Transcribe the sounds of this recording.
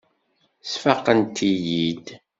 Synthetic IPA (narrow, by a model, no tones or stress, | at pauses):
sfaqːənt̪ijid̪